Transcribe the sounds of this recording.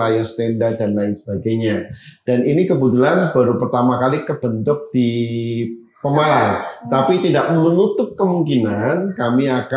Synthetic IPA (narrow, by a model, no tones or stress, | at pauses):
ajast̪ɛndadanlaɪnsəbaɡajɲad̥aninikəbut̪ulanbaɾupərt̪amakalikəbənt̪ʊk̚d̥i | pəmalamt̪apit̪idaʔmənut̪ʊp̚kəmuŋkinankamiaka